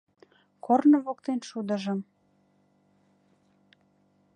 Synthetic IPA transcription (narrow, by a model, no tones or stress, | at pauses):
kornəβok̚t̪enʃud̪ə̆ʒə̆m